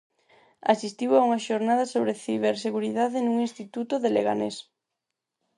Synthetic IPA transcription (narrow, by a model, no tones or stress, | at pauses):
a̰sist̪iwauŋɐʃoɾnaðɐsoβɾeθiβ̞eɾseɣuɾiðaðɪnuŋinst̪it̪ut̪oðelḛɣa̰nes